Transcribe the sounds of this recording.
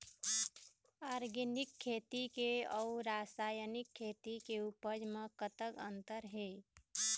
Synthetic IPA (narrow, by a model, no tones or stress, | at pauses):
aɾɡinikʰːeːt̪ikeɔuɾasajənikʰːeːt̪ikeupəd͡ʒmẽkət̪əɡə̃nt̪əɾɦe